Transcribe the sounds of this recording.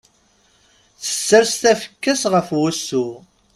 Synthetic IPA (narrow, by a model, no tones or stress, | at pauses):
θə̥sːəɾst̪æfə̥kːæsʁəfwæsːu